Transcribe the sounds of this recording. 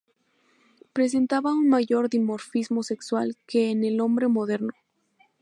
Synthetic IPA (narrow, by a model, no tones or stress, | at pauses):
pɾe̞s̬e̞nt̪aβaunmaʝo̞ɾðimo̞ɾfizmo̞se̞kswalke̞ːne̞lo̞mbɾe̞mo̞ðe̞ɾno̞